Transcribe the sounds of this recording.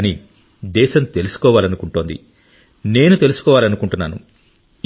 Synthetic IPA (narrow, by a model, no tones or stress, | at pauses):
ɐni | d̪ɛːʃɐmt̪e̞lusu̥kɔːʋaːlɐnukuɳʈoːnd̪ḭ | ne̞ːnut̪e̞lusu̥kɔːʋaːlɐnukuɳʈunːaːnṵ